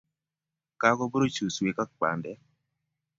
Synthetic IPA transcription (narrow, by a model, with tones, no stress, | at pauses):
ka˦kɔ˦bɾo˦t͡ʃu˨swe˨ka˦k͡pa̰˨ndɛ˦